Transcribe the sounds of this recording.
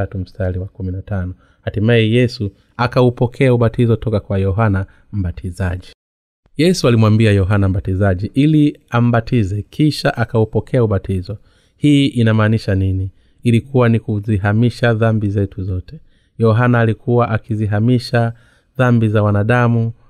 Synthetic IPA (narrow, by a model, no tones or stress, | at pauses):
atum̩staliwakuminatanɔ | hatimaɛjɛsu | akaupɔkʰɛauɓatizɔtɔkakwajɔɦana | m̩bɓatʰizaʄi | jɛsualimwambiajɔɦanam̩ɓatizaʄiʔiliam̩ɓatizɛkʰiʃaʔakaupɔkʰɛauɓatʰizɔ | hiʔinamaːniʃanini | ilikʰuwanikuziɦamiʃaðambizɛtuzɔtɛ̥ | jɔɦanaːlikʰuwaʔakiziɦamiʃa | ðambizawanaɗamu